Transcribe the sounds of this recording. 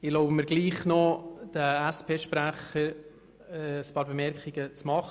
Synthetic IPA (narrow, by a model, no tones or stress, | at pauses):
ɪloʊbəməɾɡliːχnɔd̥əɛspʰeːʃpɾæχəɾ | əspɑːɾbemɛɾkχɪɡət͡smɑχ